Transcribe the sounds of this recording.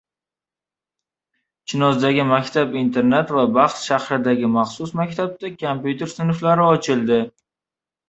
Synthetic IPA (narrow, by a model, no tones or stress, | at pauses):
t͡ʃʰɪnɒzd̪aɡʲɪmakʲt̪ʰabint̪ʰe̞ɾnet̪vabɑχt̪ʃahɾɪd̪aɡʲɪmɑχsʊsmakʲt̪ʰab̚t̪akʰompjut̪ʰe̞ɾsɪnflaɾɪɒt͡ʃʰɪlˠd̪ɪ